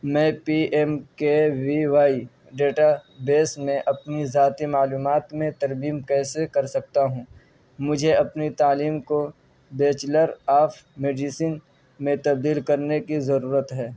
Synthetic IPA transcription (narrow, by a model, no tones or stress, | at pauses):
mɛ̃ːpiːɛmkeʋiʋaːi | ɖeːʈabeːsmẽʔɐpnizaːt̪imaːluːmaːt̪mẽt̪ɐɾmiːmkɛːsekɐɾsɐk̚t̪aɦũː | mʊd͡ʒʱeɐpnit̪aːliːmko | beːt͡ʃləɾaːpʰmeːɖiːsiːn | mẽt̪ɐb̚d̪iːlkɐɾnekizɐɾuːɾət̪ɦɛː